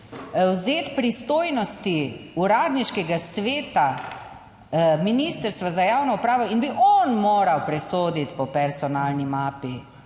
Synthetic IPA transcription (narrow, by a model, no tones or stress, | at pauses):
wzeːt̪pɾist̪oːjnɔst̪iuɾaːd̪niʃkɛɡasʋeːt̪a | minist̪əɾst̪ʋazajaːwnɔupɾaːʋɔinbiʔɔnmoːɾawpɾɛsoːd̪it̪pɔpɛɾsɔnaːlnimaːpi